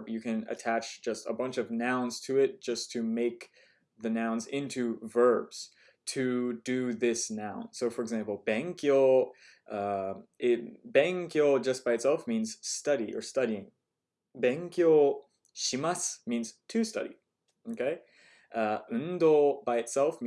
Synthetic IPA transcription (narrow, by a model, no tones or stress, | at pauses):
bjɨkɨ̃nɨ̰tʰæt͡ʃd̥ʒ̥ʌstə̰bʌ̃nt͡ʃʌvnãʊ̃nz̥tʰɨɪt̚d̥ʒ̥ʌstʰɨmeɪk | ðɨnãʊ̃nzɪ̃ntʰʉvɜ˞bz̥ | tʰɨdɨðɪsnãʊ̃nsoʊfə˞ɨɡzæ̃mpl̩ˠbæ̃ŋkjolˠ | ʔʌɪb̥æ̃ŋkjolˠd͡ʒʌsb̥aɪɨtsɛlˠfmĩnz̥stʌɾiʔə̰˞stʌɾiɪ̃ŋ | bæ̃ŋkjolˠ | ʃimasmĩnz̥tʰʉstʌ̰ɾḭ | okʰeɪ | ʔʌʉndobaɪɨtsɛlˠfm